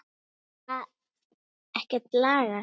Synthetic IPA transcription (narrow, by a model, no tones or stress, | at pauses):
að | ɛhcɪt̪laːɣa